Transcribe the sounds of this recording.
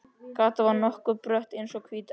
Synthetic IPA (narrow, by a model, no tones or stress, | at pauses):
kaːt̪avaɾnɔhkʏpɾœht̪ejnsɔkʰviːt̪